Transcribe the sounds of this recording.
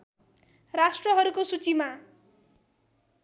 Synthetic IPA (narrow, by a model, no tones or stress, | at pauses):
ɾasʈɾɔɦʌɾukosut͡ʃima